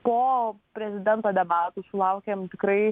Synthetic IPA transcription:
poːpʲɾʲɛzʲɪd̪ʲɛnt̪oːd̪ʲɛbaːt̪usʊlˠɐʊkʲemt̪ʲɪkɾɐɪ

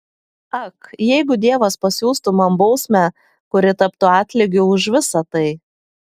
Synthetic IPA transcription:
ɐkjɛɪɡʊd̪ʲiɛʋɐspɐsʲuːst̪ʊmɐmbɒʊsʲmʲæ | kʊɾʲɪt̪ɐpt̪ʊɑːt̪ʲlʲɪɡʲʊʊʒʋʲɪsɐt̪ɐɪ

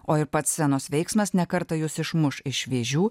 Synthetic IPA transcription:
oːɪɾpɐt̪sʲsʲɛnoːsʋʲɛɪksmɐsnʲɛkɐɾt̪ɐjʊsɪʃmʊʃɪʃʋʲeːʒʲuː

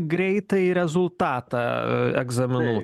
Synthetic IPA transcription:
ɡɾʲɛɪt̪ɐɾʲɛzʊlˠt̪ɑːt̪ɑɛ̰ɡzɐmʲɪnuː

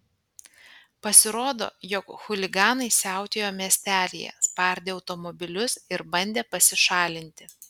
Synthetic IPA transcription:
pɐsʲɪɾoːd̪o̰ːjɔkxʊlʲɪɡɑːnɐɪsʲæˑʊt̪ʲejoːmʲiɛsʲt̪ʲæːlʲḭjɛ̰spɐˑɾʲd̪ʲeːɐʊt̪ɔmɔbʲɪlʲʊsɪɾbɐnʲd̪ʲeːpɐsʲɪʃɑːlʲɪnʲt̪ʲɪ

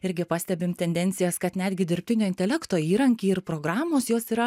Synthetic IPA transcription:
ɪɾʲɡʲɪpɑːsʲtʲɛbʲɪmt̪ʲɛnʲd̪ʲɛnʲt̪sʲɪjɛskɐt̪nʲæːd̪ʲɡʲɪd̪ʲɪɾʲpʲt̪ʲɪnʲoːɪnʲt̪ʲɛlʲɛkt̪oːiːɾɐŋʲkʲiːɪɾpɾoːɡɾɑːmoːsjoːsiːɾɐ

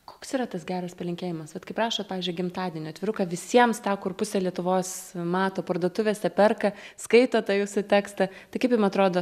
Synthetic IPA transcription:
koːksiːɾɐt̪ɐsɡʲæːɾɐspɐlʲɪŋʲkʲeːjɪmɐsʋɐt̪kɐɪprɑːʃoːt̪̚pɑːʋʲizʲd͡ʒʲʊɪɡʲɪmt̪ɑːd̪ʲiɛnʲʊːɐt̪ʲʋʲɪɾʊkɐʋʲɪsʲiɛmst̪ɑːkʊrpʊsʲɛlʲiɛt̪ʊʋoːsmɑːt̪oːpɐɾd̪uɔt̪ʊʋʲesʲɛpʲɛrkɐskɐɪt̪oːt̪ɑːjuːsʊt̪ʲæːkst̪ɐ | t̪ɐɪkɐɪpjɪmɐt̪ɾoːd̪oː

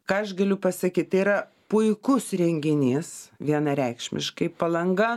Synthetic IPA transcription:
kɑːɐʃɡɐlʲʊpɐsɐkʲiːt̪̚t̪ɐɪiɾɐ | pʊɪkʊsɾʲɛŋʲɡʲɪnʲɪsʋʲiɛnɐɾʲɛɪkʃʲmʲɪ̰ʃkɐɪpɐlˠɐŋɡɐ

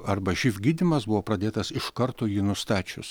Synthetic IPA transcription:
ɐɾbɐʒʲifʲɡʲiːd̪ʲɪmɐsbʊʋoːpɾɐd̪ʲeːt̪ɐsɪʃkɐɾt̪oːjiːnʊst̪ɑːt͡ʃʲʊ̰s

